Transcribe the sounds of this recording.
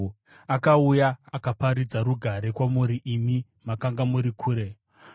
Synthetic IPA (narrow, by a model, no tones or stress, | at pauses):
akaujaːkapaɾid͡zaɾuɡʱaɾe̞kwamuɾiʔimi | makaŋɡamuɾikʰuːɾe̞